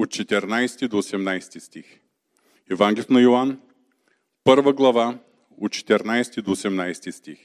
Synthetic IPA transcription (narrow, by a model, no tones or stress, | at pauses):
ot̪̚t͡ʃɛt̪ɛɾnajst̪id̪oːsɛmnajst̪ist̪ix | ɛvaŋɡlʲɛfnɐjoan | pɤɾvəɡlˠɐva | ot̪t͡ʃɛ̥t̪ɛɾnajst̪id̪oːsɛmnajst̪ist̪ix